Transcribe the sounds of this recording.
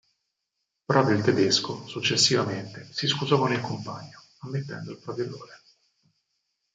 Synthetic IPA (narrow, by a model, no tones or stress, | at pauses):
pɾɔpɾoilt̪ed̪eskosut͡ʃːesːivament̪esiskuzɔkonilkompa̰ɲːo | amːet̪ːɛ̰nd̪oilpɾavolo̰ːɾe